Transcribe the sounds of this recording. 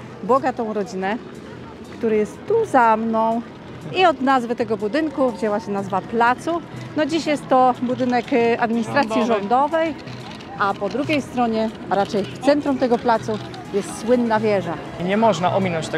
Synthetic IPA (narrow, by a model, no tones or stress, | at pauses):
bɔɡat̪ɔ̃w̃ɾɔd͡ʑinɛ | kt̪uɾɘjɛst̪ːuzamnɔ̃w̃ | iɔd̪nazvɘt̪ɛɡɔbud̪ɘŋkuvd͡ʑɛwaɕɛnazvaplat̪sunɔd͡ʑiɕjɛst̪ːɔbud̪ɘnɛkad̪mʲiɲist̪ɾat̪sjiʐɔnd̪ɔvɛj | ʔapɔd̪ɾuɡʲejst̪ɾɔɲɛ | aɾat͡ʂɛjft̪sɛnt̪ɾumt̪ɛɡɔplat̪su | jɛst̪swɘnːavʲjɛʐa | iɲɛmɔʐnaʔɔmʲinɔ̃ɲt͡ɕt̪ɛ